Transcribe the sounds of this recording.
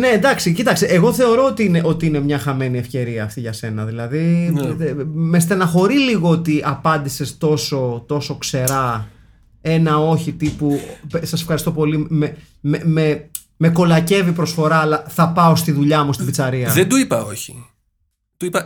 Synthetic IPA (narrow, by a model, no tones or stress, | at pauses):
ne̞nd̪ɐksicit̪ɐksiʔeɣo̞θe̞o̞ɾo̞ot̪iineʔo̞t̪iine̞mɲɐxɐme̞niefce̞ɾiɐːft̪iʝɐse̞nɐðilɐði | mest̪enɐxo̞ɾizliɣo̞ot̪iʔɐpɐnd̪ise̞st̪o̞so̞t̪o̞so̞kse̞ɾɐ | e̞nɐo̞çit̪ipupsɐsefxɐɾist̪o̞po̞lime | meme | me̞ko̞lɐce̞vipɾo̞sfo̞ɾɐːlɐθɐpɐo̞st̪iðuʎɐmust̪ibit͡sɐɾiɐðend̪uipɐoçi̥ | d̪̥uipɐ